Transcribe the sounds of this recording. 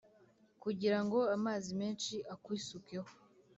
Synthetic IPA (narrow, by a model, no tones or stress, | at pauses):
kuɟiɾaŋɡo̞amaːzimeːnʃiʔakwisukeho